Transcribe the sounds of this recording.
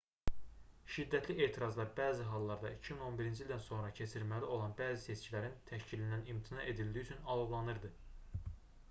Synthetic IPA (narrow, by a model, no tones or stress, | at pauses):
ʃid̪ːæt̪ʰliʔe̞ːt̪ʰiɾɑzlˠɑɾbæːziɦɑlˠːɑɾd̪ɑicʰimino̞nbiɾind͡ʒild̪ænso̞nɾɑcʰe̞t͡ʃʰiɾmælio̞lˠɑnbæːzise̞t͡ʃcilæɾint̪ʰæʃcilind̪ænimt̪ʰinɑʔe̞d̪ild̪iyt͡ʃʰynɑlˠoblˠɑnɯɾd̪ɯ